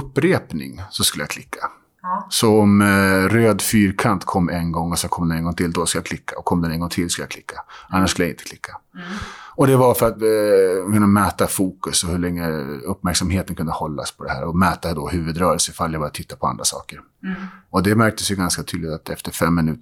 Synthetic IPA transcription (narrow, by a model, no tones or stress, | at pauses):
ɵpːɾeːpnɪ̰ŋsɔskɵləjakʰlɪkʰːḁ | sɔɔmɾøːd̪fyːɾkʰant̪kʰɔmːɛnɡɔŋːɔsɛnkʰɔmd̪ɛnɛnɡɔŋt̪ʰɪlːd̪ɔskɵljakʰlɪkʰːaɔkʰɔmːd̪ɛnɛnɡɔŋt̪ʰɪlːskɵləjakʰlɪkʰːaanːaʂkɵləjaɪ̰nt̪ə̥kʰlɪkʰːḁ | ɔd̪ɛvaɾfœɾat̪kʰɵnːamɛːt̪afuːkɵsɔhɵɭɛŋːəɵpːmæɾksamheːt̪ənkɵnd̪əhɔlːa̰spʰɔd̪ɛhæ̰ːɾɔmɛːt̪ad̪ɔhʉ̟ːvɵd̪ɾœːɾəlsəɪfaljajbɑːɾat̪ʰɪt̪ːapʰɔa̰nd̪ɾasɑ̰ːkəɾ | ɔd̪ɛmæɾk̚t̪əsjɵɡanskat̪ʰyːd̪lɪt̪at̪ɛft̪əɾfɛmːɪnʉ̟ːt̪